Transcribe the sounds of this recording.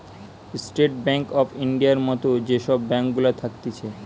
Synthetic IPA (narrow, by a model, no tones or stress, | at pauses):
sʈeʈ̚bɛŋkɔfiɳɖijaɾmɔt̪od͡ʑeʃɔbːɛŋkɡulat̪ʰak̚t̪et͡ɕʰe